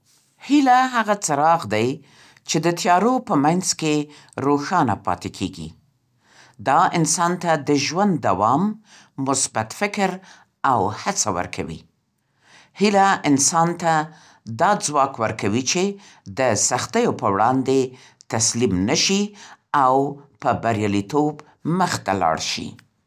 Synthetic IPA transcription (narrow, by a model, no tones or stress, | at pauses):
hilaɦaɣat͡saɾɑɣd̪aj | t͡ʃed̪ət̪jɑɾopəmajnzke | ɾoxɑna̰pɑ̰t̪ekʰḛɡḭ | d̪ɑɪnsɑnt̪ad̪əʒwand̪ːa̰wɑmː | ʊsbat̪fɪkɾ | awhat͡sawə̰ɾkʰa̰wḭ | hilaɪnsɑnt̪a | d̪ɑd͡zwɑkwəɾkawit͡ʃe | d̪əsaxt̪əjopəwɽɑnd̪e | t̪aslimnəʃiawpəbaɾjɑlit̪ob | məxt̪a̰lɑ̰ɽʃḭ